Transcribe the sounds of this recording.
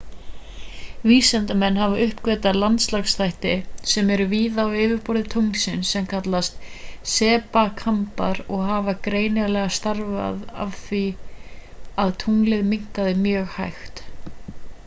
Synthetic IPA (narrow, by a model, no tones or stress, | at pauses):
viːsɛnt̪amɛnːhavaʔʏhpkvɛːt̪alant̪slaxsθajht̪ɪsɛmɛɾʏviːðawɪːvɪɾpɔɾðɪt̪ʰowŋsɪnsːɛmkʰat̪last̪sɛːpakʰampa̰ɾɔɣɦaːvakɾeːjnɪlɛɣast̪aɾva̰ða̰vθvi | aðt̪ʰuŋlɪðmiŋ̥kaðɪmjœːɣhajxt̪